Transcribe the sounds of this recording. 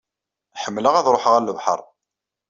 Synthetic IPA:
ħəmːləʁæðɾˤoħəʁæləvħə̰ɾˤ

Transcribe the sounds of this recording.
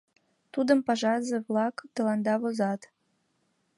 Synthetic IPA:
t̪ud̪əmpɑʒɑzeβlɑkt̪ɤ̆lɑnd̪ɑβozɑt̪

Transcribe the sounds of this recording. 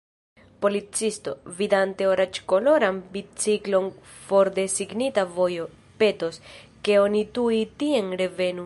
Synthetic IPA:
po̞lit͡sisto̞vidante̞oɾat͡ʃko̞lo̞ɾanbit͡siklo̞n | fo̞ɾde̞siɡnitavo̞jo̞ | pe̞to̞ske̞o̞nituitienɾe̞ve̞nu

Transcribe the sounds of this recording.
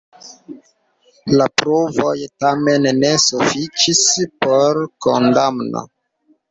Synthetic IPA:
lapɾovo̞jtamenːe̞sufit͡ʃispoɾkondamno̰

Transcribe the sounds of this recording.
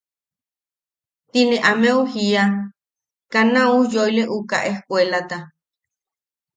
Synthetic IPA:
t̪inẽʔameuhia | kanãujojleʔuka̰ʔehkwelat̪a

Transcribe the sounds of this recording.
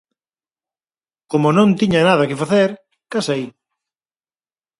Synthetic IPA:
komonõnt̪iɲɐnaðɐkɪfaθeɾ | kasej

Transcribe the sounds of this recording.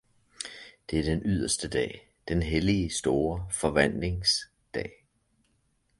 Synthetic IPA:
d̥e̝æɐd̥enʔyð̞̰ˠɐsd̥əd̥ɛ̰ː | d̥enɦelisd̥o̝ːɐfɒ̽ʋæn̰le̝ŋs | d̥ɛ̰ː

